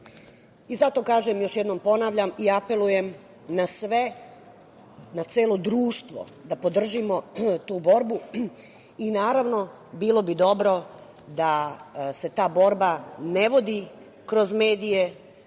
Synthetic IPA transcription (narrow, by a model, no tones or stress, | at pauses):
izat̪o̞kaːʒemjo̞ʃjed̪nompo̞naʋʎamiape̞luje̞m | nasʋe | nat̪seːlo̞d̪ɾuːʃt̪ʋo̞̰ | d̪apo̞d̪r̩ʒimo̞t̪uːbo̞ɾbu | inaːɾaʋno̞ | biːlˠo̞bid̪o̞bɾo̞ | d̪ase̞t̪aːbo̞ɾbane̞ʋo̞d̪i | kɾo̞zmeːd̪ije̞